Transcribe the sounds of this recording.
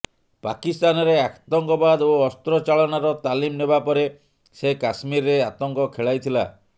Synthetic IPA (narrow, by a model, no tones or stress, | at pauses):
pakist̪anɔɾeakt̪ɔŋkɔbad̪oɔst̪ɾɔt͡ʃaɭɔnaɾɔt̪alimnebapɔɾe | sekasmiɾːeat̪ɔŋkɔkʰeɭajt̪ʰila̰